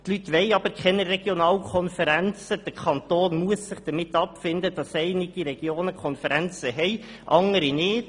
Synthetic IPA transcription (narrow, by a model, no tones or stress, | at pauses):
t̪lytʋɛɪɑb̥əɾkʰχɛnəɾɛɡ̥jonɑːlkʰɔnfəɾænt͡səd̥əkʰɑnt̪oːnmuəssɪχd̥əmɪt̪ːɑpfɪndəd̥ɑsɛɪnɪɡ̥iɾɛɡ̥joːnəkʰɔnfəɾænt͡səɦɛɪ | ʔɑŋəɾinɪːt